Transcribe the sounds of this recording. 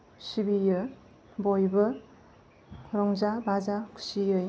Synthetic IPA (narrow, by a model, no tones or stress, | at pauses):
sibijɯ | bɔjbɯ | ɾɔŋzabazakʰu̥sijɯj